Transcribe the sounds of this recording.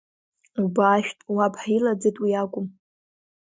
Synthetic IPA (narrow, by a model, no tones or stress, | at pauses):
ubaːʃᶣtʼwapʰʼħailad͡zɨtʼwiakʷʼʊm